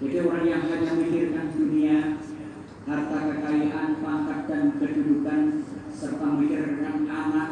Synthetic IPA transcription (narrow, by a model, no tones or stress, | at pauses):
d͡ʒadioɾaŋjaŋɦaɲamikɪrkandunia | hart̪akəkaiʔanpaŋkat̪̚dankədudukansərt̪amikɪrkanamat̚